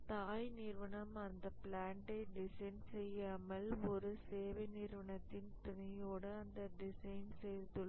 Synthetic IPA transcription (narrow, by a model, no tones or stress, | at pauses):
t̪aːjniːɾʋɐnɐmɐnd̪ɐplaːɳʈɐɪɖɪsɐɪnsɛjːaːmɐlɔɾɯseːʋɐɪniːɾʋɐɳɐt̪ːɪnt̪ʊnɪjoːɽɯɐnd̪ɐɖɪsɐɪnsɛjɾt̪ːɯɭː